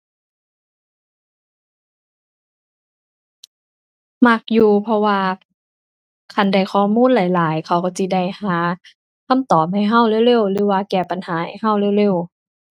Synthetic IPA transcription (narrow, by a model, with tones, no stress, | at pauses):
ma˧˩k̚juː˧pʰɔ˧waː˧ | kʰa˧˩nda˧˩jxʰɔː˧˦muː˧˥˨nlaː˨˦jlaː˨˦jkʰa˧˩wkɔ˧˩si˧˦da˧˩jhaː˨˦ | kʰa˧˥˨mt̪ɔː˨˩p̚ha˧˩jɦa˧˥˨wle˧˥˨wle˧˥˨wlɯː˨˦waː˧kɛː˧˩pa˨nhaː˨˦ha˨˩jha˧˥˩wle˧˥˨wle˧˥˨w